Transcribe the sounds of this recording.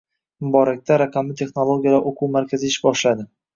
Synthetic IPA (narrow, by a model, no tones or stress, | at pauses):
mʊbɒɾak̚ʲt̪ʰaɾaqʰɑmɪt̪ʰe̞χnolˠoɡʲijalaɾʔoqʰuwmaɾkʲʰazɪɪʃbɒʃlad̪ɪ